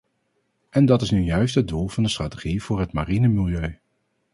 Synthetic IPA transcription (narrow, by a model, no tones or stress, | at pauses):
ʔɛndɑtɪsnyjœɥstɦət̚dulˠvɑndəstraːteχiv̥ʊːɹɦətmarinəmɪlˠjøɥ